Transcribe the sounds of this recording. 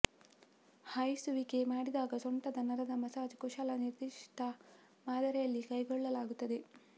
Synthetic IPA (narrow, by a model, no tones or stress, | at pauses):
hɐjsuʋike̞maːɽid̪aːɡɐsoɳʈɐd̪ɐnɐɾɐd̪ɐmɐsaːd͡ʒkoʃaːlɐniɾd̪iʂʈɐ | maːd̪ɐɾɛjɐlːikɐjɡɔɭːɐlaːɡut̪ːɐd̪e̞